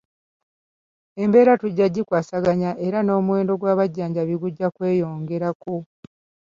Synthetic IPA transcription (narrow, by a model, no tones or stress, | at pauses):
e̞mbe̞ːɾatuɟːaɟːikwaːsaɡaɲaʔe̞ɾano̞ːmuwe̞ːndo̞ɡwaːβaɟːaːɲɟaβiɡuɟːakwe̞ːjo̞ːŋɡe̞ɾako̞